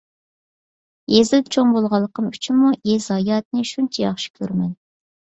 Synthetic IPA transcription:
jezɪlt͡ʃʰoŋbolˠʁɑlˠːəqʰəmyt͡ʃʰimːuʔezɑjɑt̪̚nɨʃunt͡ʃʰɛjɑχʃi̥kʲʰøɾmɛn

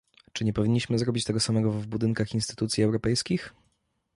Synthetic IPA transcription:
t͡ʂɘɲɛpɔvʲiɲːiɕmɘzɾɔbʲit͡ɕt̪ɛɡɔsamɛɡɔvbud̪ɘŋkaxinst̪ɘ̥t̪ut̪sʲjiɛwɾɔpɛjskʲix

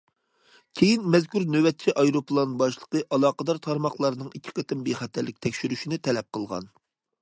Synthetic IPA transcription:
kʲʰejinmɛzkʲuɾnøwɛt̪̚t͡ʃʰiʔɑjɾoplˠɑnbɑʃlˠə̥qəʔɑlˠɑːqəd̪ɑɾt̪ʰɑɾmɑχlˠɑɾnɨŋikʲʰːi̥qʰət̪ɪmbeχæt̪ʰæɾlːɪk̚ʲt̪ʰɛkʲʃyɾyʃinɪt̪ʰɛlɛp̚qəlˠʁɑ̰n

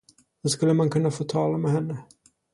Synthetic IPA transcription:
d̪̥ɵskɵlːəmankʰɵnːafoːt̪ʰɑːlamɛɦɛnːə

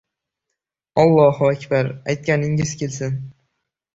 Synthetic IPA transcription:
ɒlˠːɒhʊakʲbaɾajt̪̚kʲanɪŋɪz̥kʲʰelsɪn

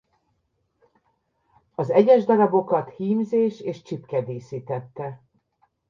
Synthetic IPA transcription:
ɒzɛɟɛʒd̪ɒɾɒbo̞kɒt̪hiːmzeːʃeːʃt͡ʃipkɛd̪eːsiːt̪ɛt̪ːɛ

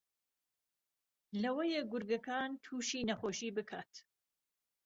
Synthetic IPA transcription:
lɐwɐjeɡʊɾɡɐkaːnt̪ʰuːʃiːnɐχoːʃiːbɨkʰaːt̪

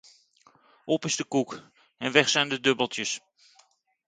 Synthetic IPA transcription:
ʔɔpɪzdəkuk | ɛnʋɛχsɛjndədɵbəlˠtjəs

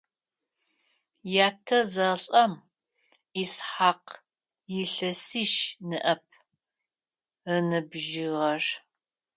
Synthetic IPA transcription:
jaːtʰɐzɐɬʼɐm | isħaːq | jɪɬɐsiʃnɨʔɐp̚ʰ | ənɨbʒɪʁɐr

